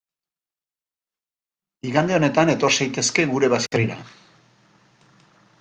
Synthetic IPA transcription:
iɣand̪eo̞ne̞t̪ane̞t̪o̞ɾsajt̪e̞ske̞ɣuɾe̞βaskriɾa̰

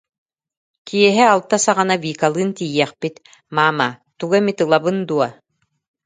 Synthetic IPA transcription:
kiɛɦɛalˠt̪asaʁanaviːkalˠɯːnt̪ijɛχpit̪ | maːmat̪uɡamit̪ɯlˠabɯnd̪uɔ

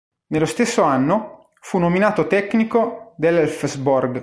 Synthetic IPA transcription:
nelːost̪esːoanːo | funːominaːt̪ot̪ɛkːnikod̪elːɛlfzborɡ

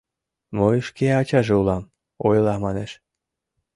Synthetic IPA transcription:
mojɤʃkeɑt͡ɕɑʒeulˠɑm | ojlˠɑmɑneʃ

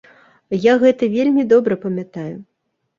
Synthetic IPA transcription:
jaɣɛt̪ɐvʲelʲmʲid̪ɔbɾɐpɐmʲat̪aju

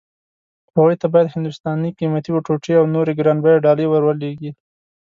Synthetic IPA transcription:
haɣujt̪abɑjad̪hɪnd̪ʊst̪ɑniqimat̪iboʈoʈeawnoɾeɡɾɑnbajaɖɑlejwaɾwaleɡi

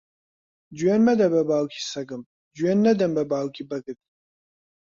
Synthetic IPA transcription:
d͡ʒɛnmɐd̪ɐbɐbaːlkʰʲisɐɡɨm | d͡ʒɛnːɐd̪ɐmbɐbaːlkʲʰʼibɐɡɨtʼ

